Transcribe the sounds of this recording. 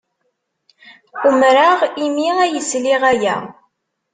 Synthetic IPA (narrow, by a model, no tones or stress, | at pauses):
umɾaʁimiæjəsliʁæjæ̰